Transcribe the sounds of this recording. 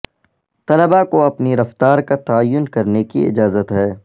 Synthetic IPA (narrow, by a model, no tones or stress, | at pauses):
t̪ɐləbakoɐpniɾɐft̪aːɾkat̪ɐːjːʊnkɐɾnekiɪ̰d͡ʒaːzət̪ɦɛː